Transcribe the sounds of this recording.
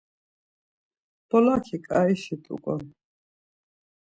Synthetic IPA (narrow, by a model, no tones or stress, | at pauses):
b̥ɔlakʰikʼaiʃit̪ʼṵkʼɔ